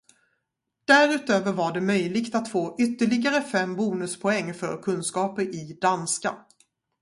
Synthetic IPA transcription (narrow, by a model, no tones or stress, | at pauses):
d̪̥æɾʉ̟ːt̪øːvəɾvaɖɛmœjlɪɡt̪at̪foːʔʏt̪ːəɭɪɡaɾəfɛmːbuːnɵspʰɔɛŋːfœ̰ɾkʰɵnskɑːpəɾɪd̪anska̰